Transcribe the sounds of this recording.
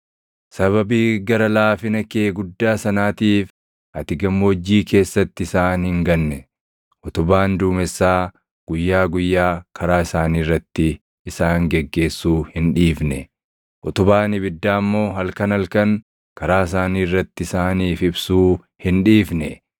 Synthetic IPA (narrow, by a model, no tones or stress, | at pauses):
sɐβɐbiːɡɐɾɐlaːfɪnɐkeːɡʊd̪ːaːsɐnaːt̪iːf | hɐt̪ɪɡɐmːod͡ʒːiːke̞ːsːɐt̪ːɪɪsaːnhɪŋɡɐnːɛ | ʔɔt̪ʊbaːnd̪uːmɛsːaː | ɡ̥ʊjːaːɡʊjːaːkʰɐɾaːɪsaːniːrːɐt̪ːɪː | saːŋɡɛɡːe̞ːsːuːhɪnᶑiːfnɛ | ʔɔt̪ʊbaːnɪbɪd̪ːaːmːo̞ːɦɐlkɐnɐlkɐŋ | kɐɾaːɪs̬aːniːrːɐt̪ːɪɪsaːniːfɪbsuː | hɪnᶑiːfnɛ